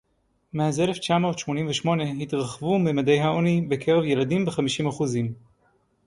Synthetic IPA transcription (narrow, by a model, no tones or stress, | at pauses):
mehazeleft͡ʃamo̞ːtʃmo̞nimveʃmo̞ne̞ɦitʁaχvumemadejɦaonibe̞kʰeʁevje̞ladimbeχamiʃimaχuzim